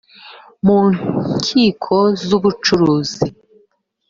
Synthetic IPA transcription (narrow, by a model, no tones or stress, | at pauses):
muːɲcʰiːkʰozuβut͡ʃuɾuːzi